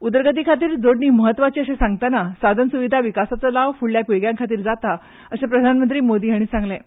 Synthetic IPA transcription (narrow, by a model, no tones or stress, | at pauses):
ud̪əɾɡət̪̬iːkʰat̪̬iːɾd͡zoɽɳiːməɦət̪ːʋat͡ɕiːəsesãŋɡ̚t̪anasad̪ʱənsuʋid̪ʱaʋikasat͡səlaʋfuɭljakʋeɡjãŋkʰat̪iːɾd͡zat̪a | əsepɾəd̪ʱanmənt̪̬ɾiːmod̪iːɦaɽ̃ĩsãŋɡlẽ